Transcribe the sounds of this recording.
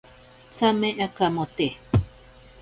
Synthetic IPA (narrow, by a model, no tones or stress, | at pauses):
t͡samẽʔãkamõt̪e